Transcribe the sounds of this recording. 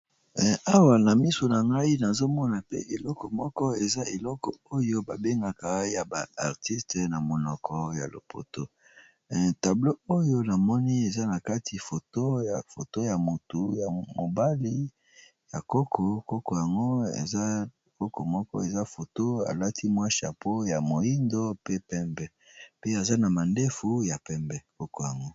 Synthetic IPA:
a˦wa˨na˨mi˦so˨na˨ŋɡa˦i˦na˨zo˦mɔ˦na˨pḛ˦ʔe˨lɔ˦kɔ˨mɔ˦kɔ˦e˨za˦e˨lɔ˦kɔ˨o˦jo˦ba˨be˦ŋɡa˨ka˨ja˨ba̰˨a˨ʁti˦stna˨mo˨nɔ˨kʰɔ˦ja̰˨lo̰˨po̰˨to˦˨ | ta˨blo˦o˦jo˦na˨mɔ˦ni˦e˨za˦na˨ka˦tʰi˨fo˨to˦ja˨fo˨to˦ja˨mo˨tu˨ja˨mo˨ba˦li˦ | ja˨ko˦kʰo˨ko˦ko˨ja˨ŋɡo˦ḛ˨za˦˨ | ko˦ko˨mɔ˦kɔ̰˦e˨za˦fo˨to˦a̰˨la˦tʰi˦mwa˦ʃa̰˨pʰo˦ja˨mo˨ji˦ndo˦pe˦pɛ˦mbɛ˦ | pe˦a˨za˦na˨ma˨nde˦fu˨ja˨pɛ˦mbɛ˦ko˦ko˨ja˨ŋɡo˦

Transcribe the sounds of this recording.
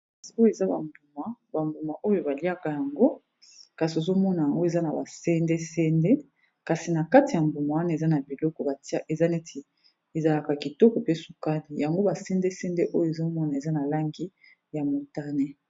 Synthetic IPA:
si˨o˦jo˦e˨za˦ba̰˨mbu˨ma˨ba˨mbu˨ma˨ʔo˦jo˨ba˨li˦a˦ka˨ja˨ŋɡo˦ | ka˨si˨o˨zo˦mɔ˦na˨ja˨ŋɡo˦e˨za˦na˨ba˨sɛ˦nde˦sɛ˦nde˦ | ka˨si˨na˨ka˦ti˨ja˨mbu˨ma˨wa˦na˨e˨za˦na˨bi˨lɔ˦kɔ˨ba˨ta˦ʔe˨za˦nɛ˦tʰi˨ | e˨za˨la˨ka˨ki˨tɔ˦kɔ˨pe˦su˨ka˦ni˨ja˨ŋɡo˦ba˨sɛ˦nde˦sɛ˦nde˦ʔo˦jo˦e˨zo˦mɔ˦na˨e˨za˦na˨la˦ŋɡi˦ | ja˨mo˨ta˦nɛ˦

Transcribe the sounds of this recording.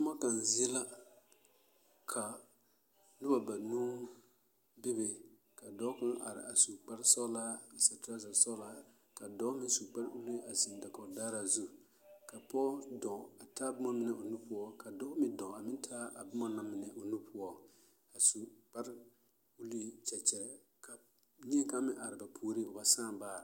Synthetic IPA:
tʊ˦ma˦ka˨n˨zɪ˦la˦ | kʰa˨ | nʊ˦ba˨ba˨nuː˦ | bɪ˦bɪ˨ | ka˨dɔ˦kʊ˦ʔa̰˨ɾɪ̰˨ʔa˨su˨k͡pa˦ɾsɔ˦la˦˨sa˨ta˦za˨sɔ˦la˦ | ka˨dɔ˦mɪ˦su˨k͡pa˦ɾu˦li˦a˨sɪ˨nda˨kɔ˨daː˦ɾa˦zu˦ | ka˨pɔ˦dɔ̃˨a˨taː˦bʊ˦ma˦mɪ˦nɛ˨ʔo˨nu˦pʊ˦ɔ˦ka˨dɔ˦kmɪ˦dɔ̃˨a˨mɪ˦ntʰa˦a˨bʊ˦ma˦na˦mɪ˨nɛ˨ʔo˨nu˦pʰʊ˦ɔ˦ | a˨su˨k͡pa˦ɾ | u˦li˦t͡ʃɛ˨t͡ʃɛ˨ɾɛ˨ | ka˨ | ɲɛ˦ka˦mɪ̃˦ʔa˨ɾɪ˨ba˨pʰuː˦ɾi˦ʊ˨ba˨˦sãː˦baː˦˨ɾa˨

